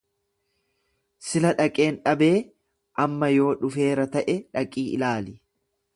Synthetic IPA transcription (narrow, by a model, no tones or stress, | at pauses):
sɪlɐᶑɐkʼe̞ːnᶑɐbe̞ː | ʔɐmːɐjo̞ːᶑʊfe̞ːɾɐt̪ɐʔɛᶑɐkʼːiːʔɪ̰laːlɪ